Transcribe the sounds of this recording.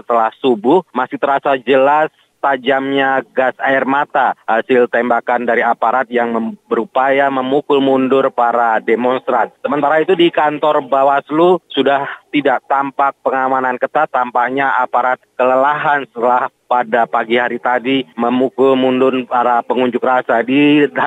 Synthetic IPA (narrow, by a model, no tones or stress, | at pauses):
ət̪əlahsubʊhmasɪht̪əɾasad͡ʒəlas | t̪ad͡ʒamɲaɡasaɪrmat̪aasɪlt̪embakandaɾiapaɾat̪̚jaŋməbəɾupajaməmukʊlmundʊrpaɾademɔnst̪ɾant̪̚səmənt̪aɾait̪udikant̪ɔrbawaslusudaht̪idaʔt̪ampak̚pəŋamanankət̪at̪ampaʔɲaapaɾat̪̚kələlaɦansət̪əlahpadapaɡihaɾit̪adiməmukʊlmundʊnpaɾapəŋuɲd͡ʒʊkrasadi